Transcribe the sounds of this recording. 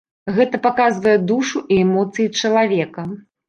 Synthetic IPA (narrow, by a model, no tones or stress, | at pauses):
ɣɛt̪ɐpakazvɐjɛd̪uʂuʔiɛmɔt̪sɨjit͡ʂɐlˠavʲɛkɐ